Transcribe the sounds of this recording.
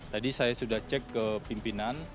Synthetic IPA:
t̪adisajasudaht͡ʃɛkːəpimpinan

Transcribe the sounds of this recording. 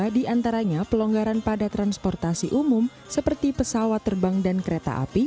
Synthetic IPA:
adiant̪aɾaɲapəlɔŋɡaɾanpadat̪ɾanspɔrt̪asiʔumʊm | səpərt̪ipəsawat̪ːərbaŋdankəɾet̪a̰ʔa̰pi

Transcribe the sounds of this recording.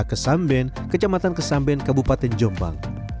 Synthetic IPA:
kəsambɛn | kət͡ʃamat̪ankəsambɛnkabupat̪ɛnd͡ʒɔmba̰ŋ

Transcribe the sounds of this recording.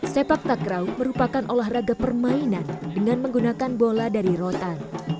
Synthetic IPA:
sepak̚t̪akɾawməɾupakanʔolahraɡapərmainandəŋanməŋɡunakanboladaɾiɾot̪an

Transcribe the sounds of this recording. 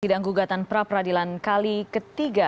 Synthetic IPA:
t̪idaʔŋɡuɡat̪anpəɾapəɾadilankalikət̪iɡa

